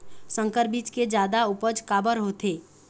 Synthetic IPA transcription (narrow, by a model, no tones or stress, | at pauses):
sə̃ŋkəɾbiːt͡ʃked͡ʒjaːd̪aʊpəd͡ʒkaːbəɾɦoːt̪eː